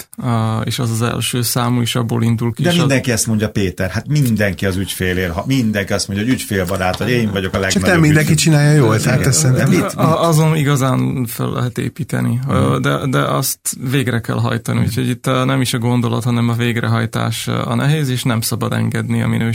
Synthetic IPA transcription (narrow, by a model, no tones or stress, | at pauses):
eːʃɛzɒzɛ̰lʃøːsaːmuiʃɒbːo̰ːlind̪ulkid̪ɛʃĩnd̪ɛŋkiɛst̪moɲɟɒpeːt̪ɛrhat̪mind̪ɛŋkiɒzycfeːleːlɦɒmind̪ɛŋkiɒst̪moɲɟɔɒoɟycfeːlbɒɾaːt̪oeːɱvɒɟo̞kɒlɛɡ̪ɛmind̪ɛŋkit͡ʃinaːjɒjoːɛt̪ɛsɛniɒɒzoniɡɒzaːnfø̰lːʔɛ̰ɦɛt̪ḛːpiːt̪ɛ̰nid̪ɛd̪ɛʔɒst̪veːɡrɛkɛ̰lɦɒ̰jt̪ɒniucʰho̞ɟit̪ːnɛmiʃɒɡo̞nd̪o̞lɒ̰t̪hɒnɛmɒveːɡrɛɦɒjt̪a̰ːʃɒ̰nɛɦeːzeːʃnɛmsɒbɒd̪ɛ̰ŋɡɛd̪niɒ̰minøː